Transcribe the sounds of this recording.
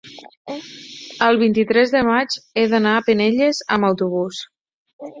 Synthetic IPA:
əlˠβ̞int̪it̪ɾɛzðəmad͡ʒeðənaːpəneʎəzəməwt̪uβ̞us

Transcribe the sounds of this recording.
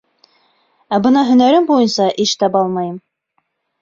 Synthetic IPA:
æbɤnɑɦɵ̆næɾɘmbujɤnsɑʔiʃt̪ɑpɑlˠmɑjɤm

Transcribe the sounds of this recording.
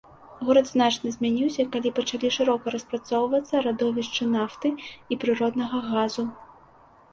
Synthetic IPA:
ɣuɾɐd̪znat͡ʂnɐzʲmʲanʲiwsʲɐkalʲipɐt͡ʂalʲiʂɨɾɔkɐɾɐspɾat̪sɔwvɐt̪sːɐɾad̪ɔvʲiʂt͡ʂɨnaft̪ɨipɾɨɾɔd̪nɐɣɐɣazu

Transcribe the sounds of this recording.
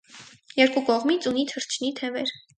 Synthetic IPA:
jɛɾkukɔʁmit͡sʰunit̪ʰəɾt͡ʃʰnit̪ʰɛvɛɾ

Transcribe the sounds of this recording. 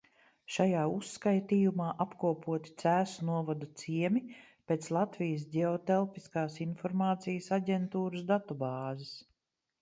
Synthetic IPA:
ʃajaːusːkajt̪iːjumaːʔapkuɔpuɔt̪i̥t̪sæːsunuɔvad̪ut̪siɛmi | peːt̪slˠat̪vijəs̬ɟʲeɔt̪elˠpiskaːsinfɔɾmaːt̪sijəsaɟʲɛnt̪uːɾəsd̪at̪ɔbaːzɪs

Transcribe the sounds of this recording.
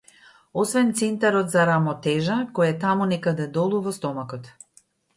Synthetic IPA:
ɔsvɛnt̪sɛnt̪aɾɔt̪zaɾamɔt̪ɛʒakɔjat̪amunɛkad̪ɛd̪ɔlˠuvɔst̪ɔmakɔt̪

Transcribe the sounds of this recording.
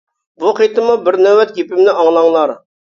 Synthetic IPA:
buqit̪əmubɪɾnæwæt̪̚kʲipɪmnɪʔɑɴlˠɑɴlˠɑɾ

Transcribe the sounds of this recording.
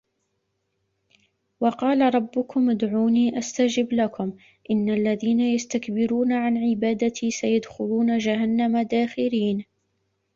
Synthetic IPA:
wɑqɑːlaɾˤɑbːʊkʊmʔad̪ʕuːniːʔast̪ad͡ʒɪblakʊm | ʔɪnːaʔlːaðiːnajast̪akbɪɾuːnaʕanʕɪbaːd̪at̪ʰiːsajad̪xʊluːnad͡ʒaɦanːamad̪aːxɪɾiːn

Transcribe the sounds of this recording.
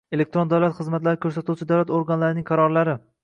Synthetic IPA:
e̞lek̚t̪ɾond̪awlˠat̪χɨzmat̪laɾɪkʰɵɾsat̪ʰuwt͡ʃʰɪd̪awlat̪oɾɡanlaɾɪnɪŋqʰɑɾɒɾlaɾɪ

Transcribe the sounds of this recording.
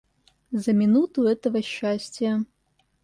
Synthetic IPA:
zɐmʲinut̪ʰuɛt̪ɐvɐʃːasʲtʲijɐ

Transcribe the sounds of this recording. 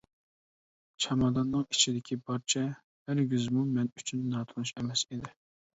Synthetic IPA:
t͡ʃʰɑmɑd̪ɑnːɨŋit͡ʃʰid̪ɪkʲʰibɑɾt͡ʃʰɛ | hæɾɡʲyzmumɛnyt͡ʃʰynːɑːt̪ʰunuʃemɛsed̪ɪ

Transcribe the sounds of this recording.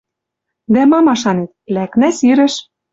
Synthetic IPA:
d̪æmɑmɑʃɑnet̪̚læknæsiɾɘ̆ʃ

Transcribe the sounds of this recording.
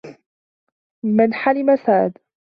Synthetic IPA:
mɪnħalɪmasaːʔd̪

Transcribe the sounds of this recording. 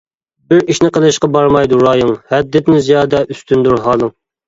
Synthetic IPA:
bɪɾiʃnɪqʰəlˠɨʃqɑbɑɾmɑjd̪uɾɑːjɨŋhɛd̪ːɪt̪ɪnɪzijɑːd̪ɛʔyst̪ʰynd̪uɾɦɑːlˠɨŋ

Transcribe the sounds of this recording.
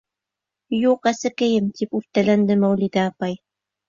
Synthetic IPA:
juqæsɘ̆kɘ̆jɘmt̪ipʉft̪ælænd̪ɘmæwlʲid̪æːpɑj

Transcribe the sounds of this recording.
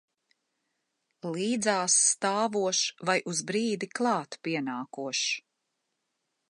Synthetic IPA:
liːd̪zaːsːt̪aːvuɔʃvajʔuzbɾiːd̪iklˠɑːt̪piɛnaːkuɔʃ

